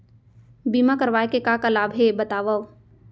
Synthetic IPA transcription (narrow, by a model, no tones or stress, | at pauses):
biːmakɐɾʋaːekekakalaːbʱɦebɐt̪aːʋaw